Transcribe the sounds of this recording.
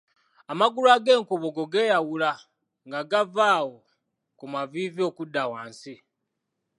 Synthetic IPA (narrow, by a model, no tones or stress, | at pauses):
amaɡulwaːɡe̞ːŋkoβoɡo̞ɡe̞ːjawula | ŋɡaɡavaːwo | kumaviːvio̞ːkudːawaːnsi